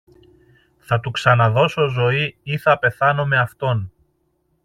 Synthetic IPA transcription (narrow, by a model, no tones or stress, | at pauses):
θɐt̪uksɐnɐðo̞so̞zo̞iiθɐpe̞θɐno̞me̞ɐft̪o̞n